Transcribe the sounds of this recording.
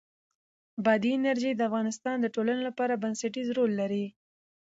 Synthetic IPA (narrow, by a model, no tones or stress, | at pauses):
bɑd̪iɪnaɾʒid̪əafɣɑnɪst̪ɑnd̪əʈolanelapɑɾabansaʈizɾolːaɾi